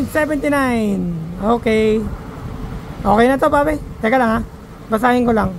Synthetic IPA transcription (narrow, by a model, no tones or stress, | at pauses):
sɛvɛnt̪inajnoke | ʔoːkenatapapajt̪ɛːkalaŋa | bas̬aːiŋkʰonlaŋ